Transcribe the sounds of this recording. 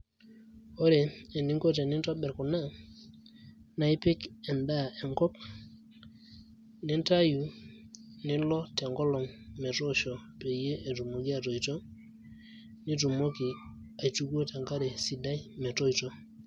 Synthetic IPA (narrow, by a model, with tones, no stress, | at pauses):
o˦ɾe˨e˨ni˦ŋko˦te˨ni˦ntɔ˦ɓɛ˨ɾku˨na˦ | na˨i˦pe˦ke˨nda˦e˨ŋkɔ˦k̚ | ni˦nta˦ju˨ | ni˦lɔ˦tɛ˨ŋko˦lo˨ŋmɛ˨to˦ʃo˨pe˨je˦ʔe˨tu˨mu˨ɡi˦a˨to˨ito˦ | ni˦tu˨mo˦ki˨a˨tu˦ɡo˦te˨ŋka˦ɾɛ˨si˨da˦jmɛ˨to˦ito˦